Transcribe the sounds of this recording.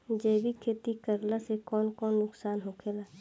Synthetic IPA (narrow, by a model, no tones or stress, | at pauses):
d͡ʒeːbʱikʰeːt̪ikəɾlasekɔːnkɔːnːʊksaːnɦokʰeːlaː